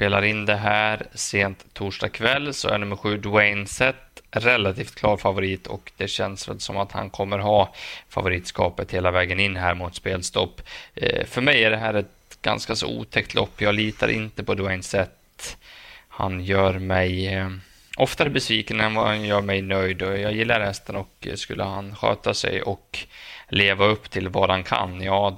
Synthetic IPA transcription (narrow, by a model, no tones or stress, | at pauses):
speːlaɾɪnd̪ɛɦæːɾseːnt̪ʰːuːʂɖɑkʰvɛlːsɔ̰æ̰ɳnɵmːəɾɧʉ̟ːd̪ʊɛɪnsɛt̪ɾɛlat̪ʰiːft̪kʰlɑːɾfavʊɾiːt̪ʰɔ̰kd̪̥ɛɕɛnsvɛ̰lsɔmat̪ha̰nkʰɔmːəɾɦɑːfa̰vʊɾiːt̪skɑ̰ːpət̪heːlavɛːɡənɪnːɦæːɾmʊt̪speːlst̪ɔpːfœɾmɛjæɖɛɦæːɾɛt̪ɡa̰nskasɔ̰ṵːt̪ʰɛk̚t̪ʰlɔpːjɑːɡliːt̪aɾʔɪ̰nt̪əpʰɔd̪uɛnsɛt̪ː | ha̰njœːɾmɛj | ʔɔft̪abɛsviːkənənvanjœːɾmɛjnœjd̪ɔjɑːɡjɪlːaɾhɛst̪ənɔkskɵlːə̰ɦanɧø̰ːt̪asɛ̰jʔɔkleːvaɵpːt̪ʰɪlvɑd̪ankʰa̰nːjɑː